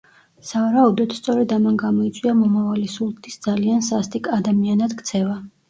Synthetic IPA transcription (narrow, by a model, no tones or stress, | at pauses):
savaɾaud̪ɔt̪st̪sʼɔɾɛd̪amanɡamɔit̪sʼwiamɔmavalisulˠt̪ʰisd̪zaliansast̪ʼikʼad̪amianad̪kʰt̪sʰɛva